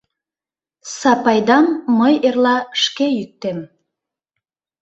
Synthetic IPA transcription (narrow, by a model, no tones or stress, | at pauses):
sɑpɑjd̪ɑmːəjerlɑʃkejyk̚t̪em